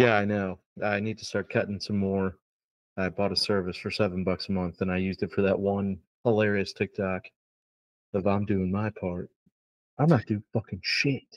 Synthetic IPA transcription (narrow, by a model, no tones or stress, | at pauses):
jæaɪnoʊ | aɪnid̚tʰə̥stɑɹt̚kʰʌɾɪ̃ŋsʌ̃mːɔɹ | aɪbɔɾəsɜ˞vɨsfə˞sɛṽn̩bʌksəmʌ̃nθə̃naɪjʉzdɨtfə˞ðəʔ̚wʌ̃n | həlɛɹiɨstʰɪk̚tʰɑk | ʌvãɪ̃mdʉɪ̃ŋmaɪpʰɑɹt̚ | ãɪ̃mnət̚d̥ɨfʌkɪ̃ŋʃɪt̚